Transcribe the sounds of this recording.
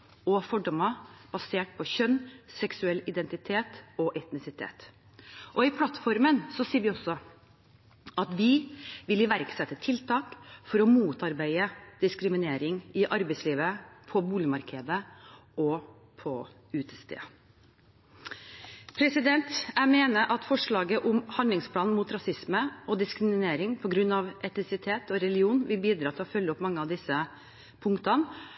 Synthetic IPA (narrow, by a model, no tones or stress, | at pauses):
ɔfɔɖɔmɑb̥ɑseːʈ̚pʰɔçœnsɛksʉɛlːɪd̪ɛnt̪ɪt̪ʰeːt̪ɔʔɛt̪nɪsɪt̪ʰḛːt̪ | ʔɔɪpʰlɑt̪fɔɾmənsɔsiːɾʋɪɔsːɔ | ɑt̪ʋɪʋɪlɪʋæɾksɛt̪ːət̪ʰɪlt̪ʰɑːkfɔɾɔmuːt̪ɑɾbæɪəd̪̥ɪskɾɪmɪneːɾɪŋɪʔɑɾbɛɪsliːʋəpʰɔbuːlɪmɑɾkʰɛd̪əɔ | pʰɔ̰ | ʉːt̪ə̥st̪ḛː | pʰɾɛsɪd̪ɛnt̪æmeːnəʔɑt̪fɔʂɭɑːɡəʔʊmhɑnd̪lɪŋspʰlɑːnn̩muːt̪ɾɑsɪsməɔd̪ɪskɾɪmɪneːɾɪŋpʰɔɡɾʉnːɑʋʔɛt̪nɪsɪt̪ʰeːt̪ɔɾɛlɪuːnʋɪlbiːd̪ɾɑːt̪ɪlɔfœlːəɔpmɑŋːəɑʋd̪ɪsə | pʰʊŋkt̪ɑn